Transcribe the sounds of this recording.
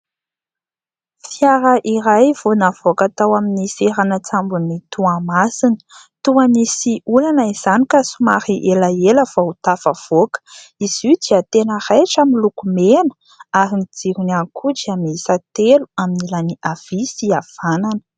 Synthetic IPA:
fiaɾəʔiɾajvonavokat̪awaminiseɾanət͡sambunit̪uamasinə̥ | t̪uanisiulanaiz̥anikasumaɾiʔelaeləvaut̪afav̥okə̥iz̥id̪iat̪enərajʈ͡ʂamilukumenə̥ | aɾinid͡ziɾunankʰuʈ͡ʂiamisat̪eluaminilaniʔav̥isiav̥ananə̥

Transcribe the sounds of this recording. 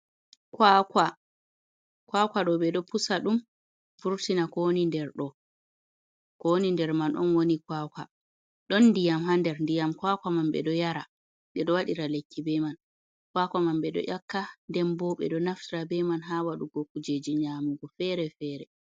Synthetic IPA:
kwaka | kwakwaɗɔɓɛɗɔpusaɗum | fuɾtinakɔonindɛɾɗɔ | kɔnindɛɾmanʔɔ̰nwonikwaːkwa | ɗɔnːdijamɦandɛɾndijamkwakwamamɓɛ̰ɗɔjaɾa | ɓɛɗɔwaɗiɾalekːibɛman | kwakʷamamɓɛɗɔ̰ʔakːandɛmbɔɓɛ̰ɗɔnaftiɾabɛmanɦawaɗuɡokːud͡ʒed͡ʒiɲaːmuɡɔfɛɾɛfɛːɾɛ

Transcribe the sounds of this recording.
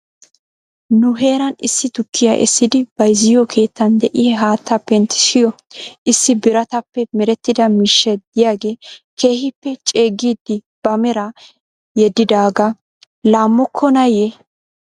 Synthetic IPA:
nʊɦe̞ːɾɐnɪsːɪt̪ʊkʰːɪja̰ʔɛ̰sːɪd̪ɪb̥ɐjzɪjɔkʰe̞ːt̪ːɐnd̪ɛʔɪhɛɦaːt̪ʰːɐpːɛnt̪ːɪ̥ʃɪjɔ | ʔɪsːɪbɪɾɐt̪ɐpːɛmɛɾɛt̪ːɪd̪ɐmiːʃːɛd̪ɪjaːɡe̞ːke̞ːhɪpːɛt͡ʃʼe̞ːɡːiːd̪ːɪ | b̥ɐmɛɾɐ | jɛd̪ɪd̪aːɡɐ | laːmːɔkʰːɔnɐje

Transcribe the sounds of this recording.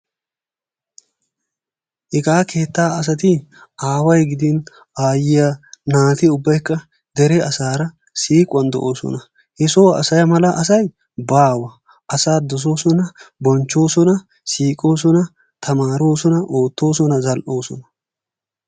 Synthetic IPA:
ʔɪkʼaːkʰe̞ːt̪ːaːɐs̬ɐt̪iaːwɐjɡɪd̪iːn | aːjɪjɐnaːt̪ɪʊbːɐjkːɐ | d̪ɛɾɛɐsaːɾɐ | siːkʼʊɐnd̪ɔ̰ʔo̞ːsɔ̰nɐ | hɛsoːɐ̰sɐjɐmɐlɐʔɐs̬ɐj | baːwɐ | ʔɐsaːd̪ɔs̬o̞ːsɔnɐbɔnt͡ʃːo̞ːsɔnɐ | siːkʼo̞ːsɔnɐ | t̪ʰɐmaːɾoːsɔnɐʔoːt̪ːo̞ːs̬ɔnɐzɐlʔo̞ːsɔ̰nɐ̥

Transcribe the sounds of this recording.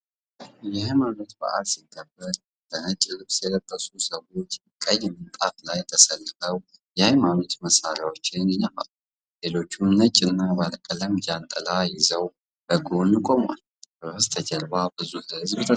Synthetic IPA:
jɛajmanot̪bə̰ʔalsiɡːəbːəɾ | b̥ənət͡ʃʼlɨβsjɛlət̪ʼːəsusəwo̞t͡ʃː | kʼəɲːmɨnt̪ʼaflajt̪ʰəsəlːəɡəw | jajmanot̪məsaɾjawot͡ʃːɪnnɪɲafa̰l | le̞lo̞t͡ʃːunnət͡ʃʼːɪnːabalkʼələmjalt̪ʼəlajɪzəw | b̥əɡonikʼoma̰l | bəst̪ʰəd͡ʒəɾbabɨzuhɨzbt̪ʰə

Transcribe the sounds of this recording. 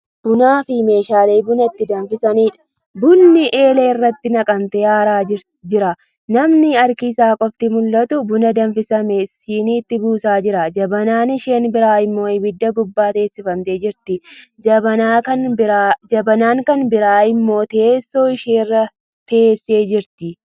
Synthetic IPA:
b̥ʊnaːfɪme̞ːʃaːle̞ːbʊnɐt̪ːɪd̪ɐnfɪsɐniːᶑɐ̥ | bʊnːɪʔe̞ːleːɪrːɐt̪ːɪnɐkʼɐmt̪ɛːhaːɾaː | d͡ʒɪɾɐ | nɐmnɪɐɾkɪsaːkʼɔft̪ɪmʊlːɐt̪ʊbʊnɐd̪ɐnfɪsɐmesiːniːt̪ːɪbuːsaːd͡ʒɪɾɐd͡ʒɐbɐnaːnɪʃe̞ːnbɪɾaːɪmːo̞ːɪbɪd̪ːɐɡʊbːaːt̪e̞ːsːɪfɐmt̪e̞ːd͡ʒɪɾt̪ɪd͡ʒɐbɐaːkɐnd͡ʒɐbɐnaːŋkɐnbɪɾaːɪmːo̞ːt̪eːsːo̞ːɪʃeːrːɐ | t̪eeːsːe̞ːd͡ʒɪɾt̪ɪ

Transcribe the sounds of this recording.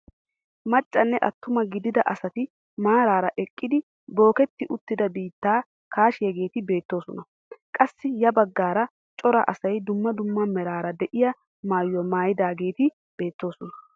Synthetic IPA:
mɐt͡ʃʼːɐnːɛʔɐ̰t̪ːʊmɐɡɪd̪ɪd̪ɐʔɐsɐt̪ɪ | maːɾaːɾɐʔɛkʼːɪd̪ɪ | bo̞ːkɛt̪ːɪʔʊt̪ːɪd̪ɐbiːt̪ːaː | kaːʃɪjɐɡe̞ːt̪ɪbe̞ːt̪ːo̞ːsɔnɐ | kʼɐsːɪjɐbɐɡːaːɾɐ | t͡ʃʼɔɾɐ̰ʔɐsɐjd̪ʊmːɐd̪ʊmːɐmɛɾaːɾɐd̪ɛʔɪjɐ | maːjːɔmaːjɪd̪aːɡe̞ːt̪ɪ | b̥e̞ːt̪ːo̞ːsɔnɐ

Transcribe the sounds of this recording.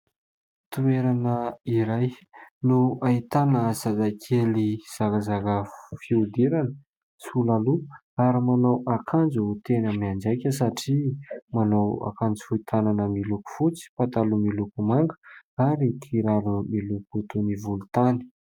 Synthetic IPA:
t̪ueɾanəiɾajnuait̪anəzazakʲʰeliz̥akazakəfiud̪iɾanə | sulalu | aɾimanawakʰand͡zut̪enəmiand͡ʒajkʲəs̬aʈ͡ʂimanawa̰kand͡zfuit̪ʰananəmiluku̥fut͡si̥pat̪alumilukumaŋɡəaɾit̪ʰiɾaɾumilukut̪univulut̪ani̥

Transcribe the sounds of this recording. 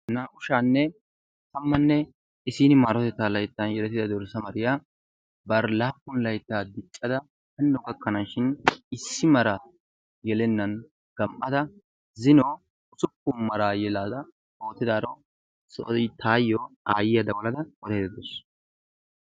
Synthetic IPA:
nɐʔʊʃaːnːɛ | t̪ɐmːɐnːɛ | ɪsiːnɪmaːɾɔt̪ɛt̪ːaːlɐjt̪ːɐnjɛlɛt̪ːɪd̪ɐd̪ɔɾsɐmɐɾɪjaː | bɐɾlaːpːʊnlɐjt̪ːaːd̪ɪt͡ʃʼːɐd̪ɐ | hɐnːɔɡɐkʼːɐnaːʃɪnɪsːɪmɐɾa | jɛlɛnːɐn | ɡ̥ɐmʔɐd̪ɐ | zɪnoː | ʊsʊpːʊnmɐɾaːjɛlaːd̪ɐ | oːt̪ːɪd̪aːɾɔ | sɔt̪ʰaːjːɔːaːjɪjɐd̪ɐwɔlɐd̪ɐwɔd̪ɐjd̪ɐd̪ʊs

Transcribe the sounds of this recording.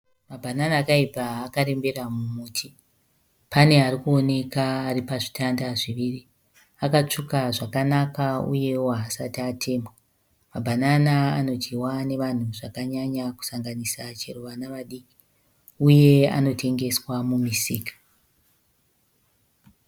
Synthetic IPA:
mabʱananaːkaibʱaːkaɾe̞mbe̞ramumuːtʰi | pane̞aɾikuo̞ne̞kaːripaʐi̥tandaʐiʋiri | akat͡ʂukaʐakanakaṵje̞woaːsatiatʰe̞ːmbo | mabʱananaa̰no̞t͡ʃiwane̞ʋan̤uʐakaɲaɲaku̥saŋɡanisat͡ʃḛruʋanaʋaɗiki̥ | uje̞a̰no̞tʰe̞ŋɡe̞swamumisiːkḁ

